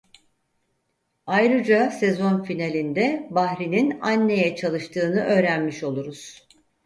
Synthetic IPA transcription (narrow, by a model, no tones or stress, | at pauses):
ajɾɯd͡ʒasezo̞nfinalʲind̪ɛbahɾininanːe̞jɛt͡ʃʰalˠɯʃt̪ʰɯːnɯʔø̞ːɾænmiʃo̞lˠuɾuz̥